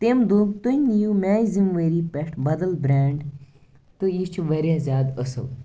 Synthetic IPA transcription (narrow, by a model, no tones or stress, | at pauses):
t̪emd̪uːt̪unʲijumʲaːjzimʋəɾiːpeʈʰbɐd̪ɐlbɾaːɳɖ | t̪ɨjit͡ʃʰuʋɐɾʲjaːzʲjaːd̪əsɐ̰w